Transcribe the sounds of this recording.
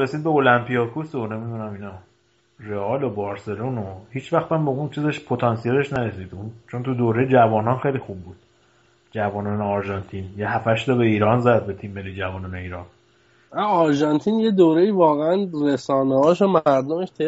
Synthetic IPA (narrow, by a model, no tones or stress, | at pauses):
ɾe̞siːd̪̚be̞olæmpijɒkʰusone̞mid̪unæminɒ | reɒːlobɒːɾse̞lonohiːt͡ʃʰvæxt̪æmbeunt͡ʃʰizeʃpʰo̞t̪ʰɒnsijeleʃnæɾe̞siːd̪unt͡ʃʰo̞nt̪ʰud̪oːɾejed͡ʒævɒːnɒnxejlixub̚ːuːd̪̥ | d͡ʒævɒːnɒːneɒɾʒɒnt̪ʰinjeɦæfæʃd̪ɒbe̞iːɾɒːnzæd̪̚be̞t̪ʰimːelːiːd͡ʒævɒːnɒːne̞iːɾɒːn | æɒɾʒɑnt̪ʰinjed̪oːɾeiːvɒːɣeænɾesɒːnehɒːʃ̬omæɾd̪omeʃt̪ʰe